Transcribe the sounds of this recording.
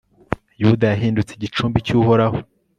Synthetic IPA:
judajaɦiːndut͡seɟit͡ʃuːmbicuːho̞ɾaho

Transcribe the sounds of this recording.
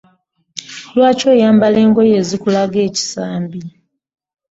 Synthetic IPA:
lwaːco̞ːjaːmbale̞ːŋɡo̞jeːzikulaɡe̞ːci̥saːmbi

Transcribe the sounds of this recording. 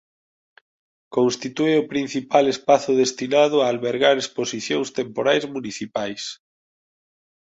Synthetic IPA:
konst̪it̪ueʊpɾin̟θipalespaθʊðest̪inað̞ʊaːlβeɾɣaɾesposiθjoŋst̪empoɾajzmuniθipajs

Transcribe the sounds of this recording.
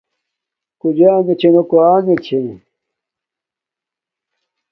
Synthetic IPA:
kud͡ʑaːnet͡ɕʰenokuaːnet͡ɕʰe

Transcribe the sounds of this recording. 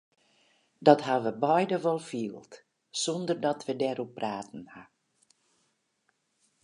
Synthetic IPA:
dɔtɦaʋəbɔjdəʋɔlˠfiːəlˠt | sɔndərdɔtʋədɛɾupraːtn̩ha

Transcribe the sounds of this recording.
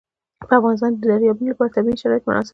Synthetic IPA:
bæfɑːnes̬t̪ɑːnd̪æɾjɒbinbæɾt̪ʰæbiʃæɾɒːjet̪mo̰nʔɒ̰se

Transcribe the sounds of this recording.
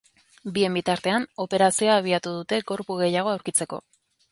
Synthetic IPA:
bie̞mbit̪aɾt̪e̞ano̞pe̞ɾasio̞aːβ̞iat̪uðut̪e̞ɣo̞ɾpuɣe̞jaɣ̞o̞awɾkit͡se̞ko̞̰

